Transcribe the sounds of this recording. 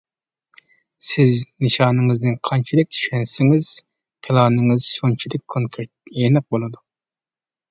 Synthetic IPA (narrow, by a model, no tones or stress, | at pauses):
sɪznɨʃɑːnɨŋɨznɪnqʰɑnt͡ʃʰid̪ɪk̚ʲt̪ʰy̥ʃɛnsɪŋɪz̥ | qʰelˠɑːnɨŋɨzʃont͡ʃʰid̪ɪkʲʰːoŋkʰeɾt̪̚enɨq̚bolˠɨd̪u